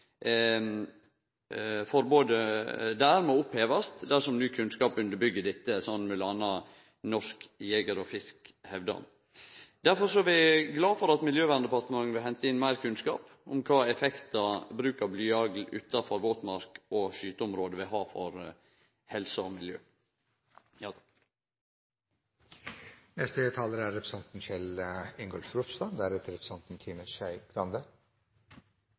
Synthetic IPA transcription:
fɔɾboːd̪əd̪æːɾmɔʊpheːʋɑst̪d̪æʂɔmnyːkʰʉnskɑːpʉnd̪əɾbʏɡːəd̪ɪt̪ːəsɔnmɛlɑnɑ | nɔʂkjeːɡəɾɔfɪskhɛʋd̪ɑ̰ | d̪̥æɾfɔɾsɔæʋɪɡlɑːfɔɾɑt̪mɪljøːʋæɾnd̪əpɑst̪əmɑŋːʋɪlhɛnt̪əɪnmæɪɾkʰʉnskɑ̰ːp | ʊ̰mkʰɑːɛfɛkt̪ɑbɾʉːkɑɾblyːɑɡl̩ʉ̰ːt̪ɑfɔɾʋoːt̪mɑɾkɔʃyːt̪əʊmɾoːd̪əʋɪɦɑːfɔ̰ɾ | hɛlsəɔmɪljø̰ː | nɛst̪ət̪ʰɑːləɾæɾːɛpɾə̥sɑnt̪n̩ʃɛlɪŋɡɔlfɾupst̪ɑnd̪æɾɛt̪əɾɛpɾəsɑnt̪n̩t̪ʰiːməʃæɪɡ̥ɾɑnd̪ə

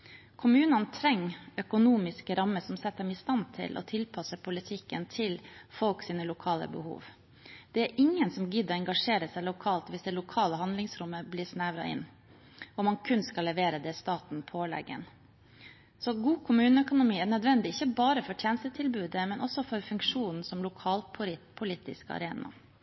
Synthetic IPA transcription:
kʰʊmʉːnənt̪ʰɾɛŋːœkʊnuːmɪskəɾɑmːəsɔmsɛt̪̚ːd̪ɛmɪst̪ɑnt̪ʰɪ̰lʔɔ̰t̪ʰɪlpʰɑsəpʰʊlɪt̪ʰɪkːənt̪ʰɪlfɔlksiːnəlʊkʰɑːlə̰bəhṵːʋ | d̪̥ɛæɾʔɪŋːənsɔmɡɪd̪ɔɛŋɡɑʂeːɾəsæɪlʊkʰɑːlt̪ʋɪsd̪ɛlʊkʰɑːləɦɑnd̪lɪŋsɾʊmːəblɪːʂnæʋɾɑ̰ɪ̰nː | ɔmɑnkʰʉnskɑlːɛʋeːɾəd̪ɛst̪ɑːt̪n̩pʰoːlɛ̰ɡə̰n | sɔɡuːkʰʊmʉːnəœkʊnʊmiːæɾnœd̪ʋɛnd̪ɪɪçəbɑːɾəfɔʈ̪ʰjɛːnəst̪ət̪ʰɪlbʉːd̪əmɛnʔɔsɔfɔɾfʉŋkʂuːnn̩sɔmlʊkʰɑːlpːpʰʊliːt̪ɪ̰skɑ̰ɾeːnɑ̰

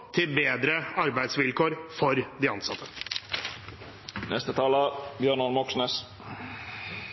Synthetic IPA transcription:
t̪ʰɪlbeːd̪ɾəɑɾbæɪd̪sʋɪlkoːɾfɔɾd̪ɪɑnsɑt̪ʰːə | nɛst̪ət̪ʰɑːləbjøːɳɔlmɔksneːs

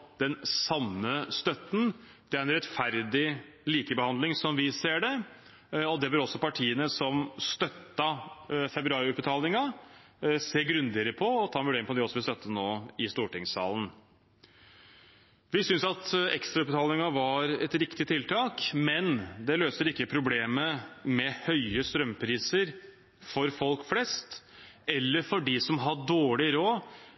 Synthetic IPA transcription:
d̪̥ɛnsɑnːəst̪œt̪ːn̩d̪̥ɛæɾɛnɾɛt̪fæɾd̪ɪ | liːkəbəhɑnd̪lɪŋsɔmʋɪseːɖɛ | ɔd̪ɛbəɾɔsːɔpɑʈʰiːənəsɔmst̪œt̪ːɑfɛbɾʉɑːɾɪʉt̪̚bət̪ʰɑːlɪŋɑ | seːɡɾʉnd̪ɪəɾəpʰɔɔt̪ʰɑːnʋʉɖeːɾɪŋpɔd̪ɛɔsːɔʋɪlst̪œt̪ːənoːɪst̪uːʈɪŋsɑ̰ːlən̩ | ʋɪsʏnsɑt̪ɛkst̪ɾɑʉt̪̚bət̪ʰɑːlɪŋɑʋɑɾɛt̪ɾɪkt̪ɪt̪ʰːɪlt̪ʰɑːkmɛnd̪ɛløːsəɾɪkːəpʰɾʊbleːməmɛhœʏəst̪ɾœmːpʰɾiːsəɾ | fɔɾfɔlkflɛst̪ | ɛlːəɾfɔɖɪsɔmɦɑɖoːɭɪɾoː

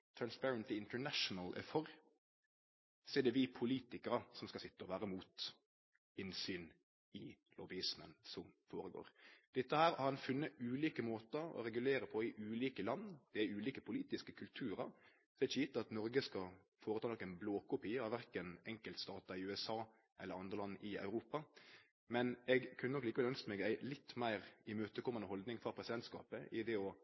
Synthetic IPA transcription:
t̪ʰɾɑnspæɹənt̪ɪɪnt̪ənæʂʊnəlʔɛ̰fɔɾ | seːd̪ɛʋɪpʰʊliːt̪ɪkəɾəsɔmskɑlsɪt̪ːəɔʋæːɾəmuːt̪ | ɪnsyːn | ɪ | lɔbɪɪsmənsɔmfoːɾəɡo̰ːɾd̪̥ɪt̪ːəhæːɾhɑʁɑnfʉnːəʉːliːkəmoːt̪əɾɔ̰ɾɛɡʉleːɾəpʰɔɪʔʉːliːkəlɑnːd̪̥ɛæʉːliːkəpʰʊliːt̪ɪskəkʰʉlt̪ʰʉːɾəɾ | sɔɪt͡ʃɪt̪ːəɑt̪nɔɾɡəskɑ | foːɾət̪ʰɑːnɔkːæɪnbloːkʰʊpʰiːəɑʋæɾkənɛŋkəlt̪st̪ɑːt̪ɑɪʉːɛsɑː | ʔɛ̰lːəɾɑnd̪ɾəlɑnːʔɪɑ̰ʉɾuːpɑ | mɛnɛɡkʰʉnənɔkːliːkəʋɛlœnskəmɛɡæɪlɪt̪ːmæɪɾɪmøːt̪əkʰɔmːɑnəɦɔld̪nɪŋfɾɑpʰɾɛsɪd̪ɛnt̪skɑ̰ːpəʔɪd̪ɛɔ

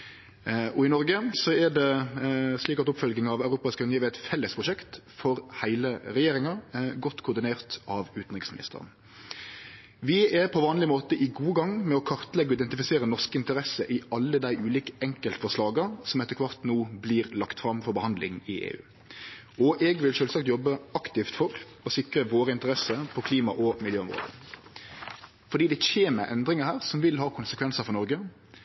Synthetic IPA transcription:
ɔɪnɔɾɡəsɔɛdɛ | sliːkɑt̪ʊpfœlɡnɪŋɑʋɑʉɾuːpɑɪskʉnɪiːʋɛt̪fɛlːəspʰʁʊʃɛkt̪fɔɾhæɪləʁɛjeːɾɪŋɑɡɔt̪ːkʰʊʁd̪ɪneːʁt̪ɑʋʉːt̪n̩ʁɪksmɪnɪ̰st̪ə̰ʁə̰n | ʋɪɛɾpʰɔʋɑːnlɪmoːt̪əʔɪɡuːəɡɑŋːmɛɔkʰɑʁt̪lɛɡːɔɪd̪ɛnt̪ɪfɪseːɾənɔʁkəɪnt̪əɾɛsəʔɪɑlːəd̪æɪʔʉːliːkə̥ʔɛŋkəlt̪əfɔʁʂlɑːɡəsɔmɛt̪ːəkʰʋɑʁt̪nuːbliːɾlɑkt̪fɾɑmfɔɾbəhɑnd̪lɪ̰ŋɪʔḛːʉ̰ː | ɔʔɛɡʋɪlʃøːlsɑkt̪jɔbːəɑkt̪ɪft̪fɔɾ | ɔsɪkɾəʋoːɾəɪnt̪əɾɛsəpʰɔkʰliːmɑʔɔmɪljøːʊmʁo̰ːd̪ə̰ | fɔɾdɖiːd̪ɛçeːmə̰ʔɛ̰nd̪ɾɪŋəhæːɾsɔmʋɪlɦɑːkʰʊnsəkʰʋɛnsəfɔʁnɔɾɡə

